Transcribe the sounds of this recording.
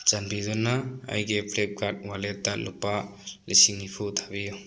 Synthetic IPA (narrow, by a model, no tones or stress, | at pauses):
t͡ʃanbidɔnaa̰jɡepʰlek̚kʰat̚waletːalupːalisiŋnipʰutʰabiju